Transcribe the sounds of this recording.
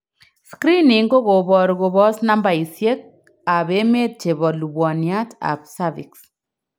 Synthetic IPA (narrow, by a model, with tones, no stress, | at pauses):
skɾi˦ni˨ŋɡo˦ɣo˨βɔ˨ɾɣo˨βɔ˦sna˦mba˨i˨sje˦k̚ | a˨be˦me˦t͡ʃe˨βɔ˨lu˨bwɔ˨nja˦tʰa̰˨psa˦vḭ˨ks